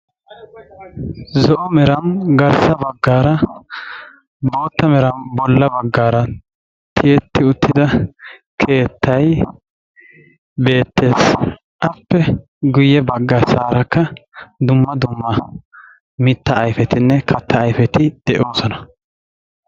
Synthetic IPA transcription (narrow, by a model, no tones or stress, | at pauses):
zɔʔɔmɛɾɐmɡɐɾsɐbɐɡːaːɾɐ | bo̞ːt̪ːɐmɛɾɐmbɔlːɐbɐɡːaːɾɐ | t̪ʰɪjɛt̪ːɪʊt̪ːɪd̪ɐkʰe̞ːt̪ʰːɐj | be̞ːt̪ːe̞ːs | ʔɐpːɛ | ɡʊjːɛbɐɡːɐsaːɾɐkːɐd̪ʊmːɐd̪ʊmːɐ | mɪt̪ːɐːjfɛt̪ɪnːɛkʰɐt̪ːɐːjfɛt̪ɪd̪̥ɛʔo̞ːsɔnɐ